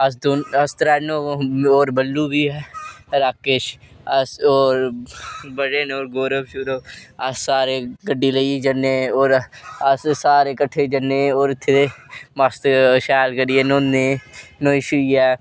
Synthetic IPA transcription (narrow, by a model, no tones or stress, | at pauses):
ɐsd̪oːɐst̪ɾaːnoːoːɾbəlːuːbʱiːɦɛːɾaːkeʃ | ɐsoːɾ | bəɽenoːɾɡoːɾəbʃʊɾoːɐsːaːɾeːɡəɖiːləid͡ʒənːeoːɾɐssaːɾeːkəʈʰːed͡ʒənːeːoːɾɪt̪ʰːeemast̪ʃɛːlkəɖiːeːnoːnenõːɪʃʊiɛː